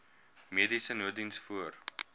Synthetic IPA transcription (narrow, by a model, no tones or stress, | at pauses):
miədisənuədinsfuər